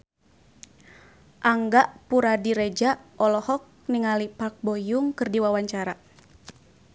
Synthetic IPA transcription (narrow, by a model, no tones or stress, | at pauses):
ʔaŋɡaʔpuɾadiɾɛd͡ʒaʔɔlɔhɔk̚niŋalipak̚bɔjuŋkɨrdiwawaɲt͡ʃaɾa